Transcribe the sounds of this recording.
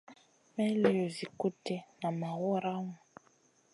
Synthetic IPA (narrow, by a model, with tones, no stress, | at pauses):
mɛ˦li˦˨jo˨zi˨ku˦tɛ˦na˨ma˨wɔ˦ɾa˦ŋɛ˨